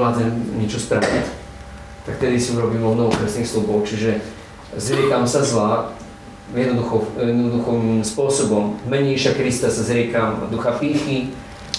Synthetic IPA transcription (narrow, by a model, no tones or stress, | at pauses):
lazɛɲɛt͡ʃɔsp̪ɾaʋḭt | t̪akt̪ɛd̪isiuɾɔbiːmɔnɔʋɔkɾɛsnixslubɔʊt͡ʃiʒɛ | zɾɪɛkamsazla | jɛd̪nɔd̪uxɔɛd̪nɔd̪uxɔimspʊɔsɔbɔmvmɛɲɛiʃakɾist̪asazɾɪɛkamd̪uxapiːxi